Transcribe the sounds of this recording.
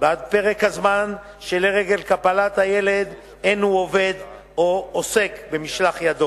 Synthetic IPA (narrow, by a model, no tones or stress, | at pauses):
bad̪peʁe̞khazman | ʃeleʁeɡe̞lkapalat̪haje̞le̞d̪ | enuove̞d̪ | oose̞kbe̞miʃlaχjad̪o